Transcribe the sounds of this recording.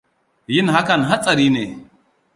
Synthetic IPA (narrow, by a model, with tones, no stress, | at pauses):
jɪ˦nɦa˦kɐ˦˨nɦa˦t͡sʼɐ˨ɾi˦ne˨